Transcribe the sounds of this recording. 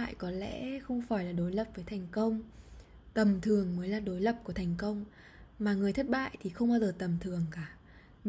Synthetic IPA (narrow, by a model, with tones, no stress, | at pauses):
jkɔ˨˦lɛ̰˧˥xə˧wŋ͡mfaː˧˩jlaː˨˩ɗo˨˦jlə˨˩p̚vəː˨˦jt̪ʰa˨˩jŋ̟kə˧wŋ͡m | t̪ə˨˩mt̪ʰɨ˨˩əŋməː˨˦jlaː˨˩ɗo˨˦jlə˨˩p̚ku˧˩ət̪ʰa˨˩jŋ̟kə˧wŋ͡m | maː˨˩ŋɨ˨˩əjt̪ʰə˦˥t̚ɓa̰ː˧˨jt̪ʰi˨˩xə˧wŋ͡mɓaː˧wzəː˨˩t̪ə˨˩mt̪ʰɨ˨˩əŋkaː˧˩